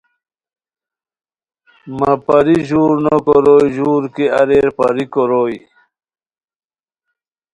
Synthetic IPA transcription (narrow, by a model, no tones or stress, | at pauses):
mɐpɐɾiʑuːɾnokoɾoːjʑuːɾkiɐ̰ɾeːɾpɐɾikoɾoːj